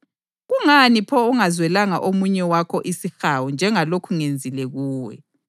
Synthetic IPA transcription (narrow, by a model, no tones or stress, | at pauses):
ɣuŋanipʰɔuŋazwɛlaŋa̰ʔomuɲɛwakʰɔʔisixawund͡ʒʱɛŋalokʰuŋend͡zʱilɛɣuːwɛ̰